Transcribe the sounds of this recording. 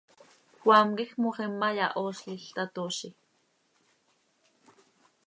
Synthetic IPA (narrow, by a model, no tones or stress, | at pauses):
xwaːmkixmoχimːajaʔoːʃɬiɬt̪at̪oʃi